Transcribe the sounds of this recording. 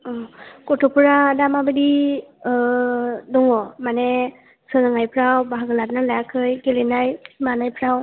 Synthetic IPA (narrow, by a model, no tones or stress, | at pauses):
ɔkɔtʰɔpuɹadamabɯdi | dɔŋɔmanɛ | sɯlɯŋajpʰɾawbaɦaɡɯlat̚nalaakʰɯjkelenajmanajpʰɾaw